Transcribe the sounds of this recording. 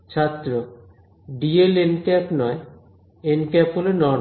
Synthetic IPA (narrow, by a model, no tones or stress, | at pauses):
t͡ɕʰat̪ːɾo | ɖielenkɛpnɔe | enkɛpɦolonɔn